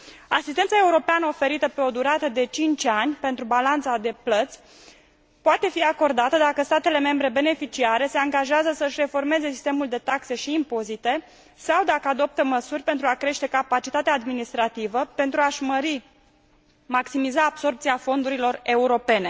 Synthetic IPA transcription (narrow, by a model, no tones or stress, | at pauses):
asist̪ensae̞uɾo̞peanəo̞fe̞ɾit̪əpe̞o̞d̪uɾat̪əd̪e̞t͡ʃint͡ʃʲanʲpe̞nt̪ɾubalant̪sad̪e̞plət̪sʲ | poat̪e̞fiako̞rd̪at̪əd̪akəst̪at̪e̞le̞me̞mbɾe̞be̞ne̞fit͡ʃiaɾe̞se̞aŋɡaʒeazəsəɨʃʲre̞fo̞rme̞ze̞si̥st̪e̞muld̪e̞t̪akse̞ʃiːmpo̞zit̪e̞ | sawd̪akəad̪o̞p̚t̪əməsurʲpe̞nt̪ɾuakɾe̞ʃt̪e̞kapat͡ʃit̪at̪eaːd̪minist̪ɾat̪ivəpe̞nt̪ɾuaʒməɾi | maksimizaːbso̞rp̚t̪siafo̞nd̪uɾilo̞re̞uɾo̞pe̞ne̞